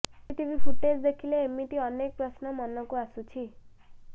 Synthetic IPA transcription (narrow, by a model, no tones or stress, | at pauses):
ʈibʱipʰuʈed͡zd̪ekʰileemit̪iʌnek̚prʌsnʌmʌnːʌkuasut͡sʰi